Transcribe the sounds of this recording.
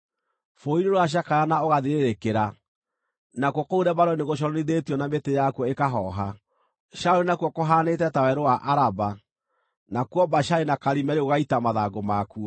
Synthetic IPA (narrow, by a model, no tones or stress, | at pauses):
foiɾoɾoaɕ̬akajanaoɣaðiɾeɾekeɾa | nakwoɔkouɾɛbaɾɔneɣoʃ̬ɔɾɔniðetiɔnambetejakuɔekaɦɔɦa | ʃauɾinakuɔkoɦaːnetɛtawɛɾowaʔaɾaba | nakwɔbaʃainakaɾimɛɾeoɣaitamaðaɡomaku